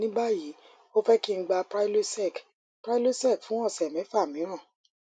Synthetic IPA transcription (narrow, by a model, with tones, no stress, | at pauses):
nĩ˦ba˦ji˨˦ | o˦fɛ˦ki˦˧˦ɡ͡ba˧pɾa˦i˦lo˦sɛ˦˨k | pɾa˦i˦lo˦sɛ˦˨kfũ˨˦ɔ̃˦˨sɛ˨mɛ̃˨˦fa˦˨mĩ˨˦ɾ̃ã˦˨